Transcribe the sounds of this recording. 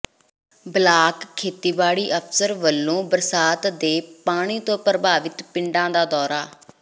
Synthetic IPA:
blaːkkʰːeːt̪iːbaːɽiːʔəpʰsəɾʋəlːõːbəɾsaːt̪d̪eːpaːɽ̃iːt̪õːpɾəbʱaːʋɪt̪pɪɳɖãːd̪aːd̪ɔːɾaː

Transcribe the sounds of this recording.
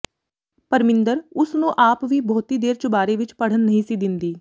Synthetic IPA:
pəɾmɪ̃nd̪əɾʊsnũːʔaːpʋiːbɔːt̪iːd̪eːɾt͡ʃəbaːɾeːʋɪt͡ʃpəɽ̤ənːəɦĩːsiːd̪ɪnd̪iː

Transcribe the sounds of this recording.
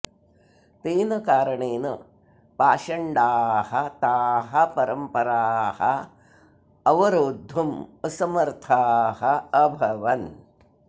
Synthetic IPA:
t̪eːnɐkaːɾɐɳeːnɐ | paːʃɐɳɖaːhɐt̪aːɦɐpɐɾɐmpɐɾaːhɐ̰ | ɐʋɐɾoːd̪ʱːumɐsɐmɐɾt̪ʰaːɦɐɐbʱɐʋɐn

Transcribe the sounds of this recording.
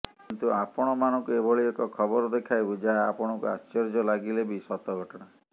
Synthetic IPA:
kint̪uapɔɽ̃ɔmanɔŋkuebɔɭiekɔkʰɔbɔɾɔd̪ekʰajbud͡ʒaːpɔɽ̃ɔkua̰st͡ʃɔɾd͡ʒɔlaɡilebisɔt̪ɔɡʱɔʈɔɽ̃a

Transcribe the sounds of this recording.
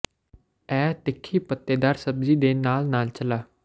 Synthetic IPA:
ɛːt̪ɪkʰːiːpət̪ːeːd̪aːɾsəbziːd̪eːnaːlnaːlt͡ʃəlaː

